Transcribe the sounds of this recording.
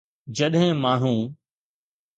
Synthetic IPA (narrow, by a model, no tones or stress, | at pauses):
d͡ʑɐɗɦɪ̃maːɦũː